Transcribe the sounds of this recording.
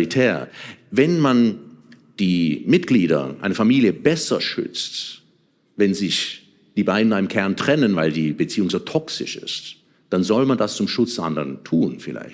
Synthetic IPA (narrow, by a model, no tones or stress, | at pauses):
itʰɛːɐvɛnman | d̥iːmɪtɡ̥liːɾɐ̰ʔaɪnəfamiːljəbɛsɐʃʏ̰t͡st | vɛnzɪç | d̥iːbaɪdn̩naːɪmkʰɛɐntʁ̥ɛnənvaɪldiːbət͡siːʊŋzoːtʰɔksɪ̰ʃɪ̰st | d̥anzɔlmandast͡sʊmʃʊt͡sd̥ɛʔa̰ndəʁəntʰuːnfɪlʔa̰ɪç